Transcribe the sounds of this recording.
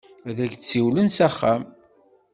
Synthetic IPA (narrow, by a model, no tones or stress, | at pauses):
æðæɡt͡sːiwlənsæχːæm